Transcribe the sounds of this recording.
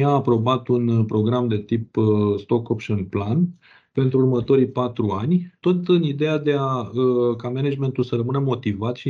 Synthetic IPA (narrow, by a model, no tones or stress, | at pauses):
aːpɾo̞bat̪unpɾo̞ɡɾamd̪e̞t̪ipst̪o̞kopʃonplan | pe̞nt̪ɾuːrmət̪o̞ɾijpat̪ɾuanʲt̪o̞t̪ɨnid̪e̞jad̪e̞aəkamened͡ʒme̞nt̪ulsəɾəmɨnəmo̞t̪ivat̪ʃi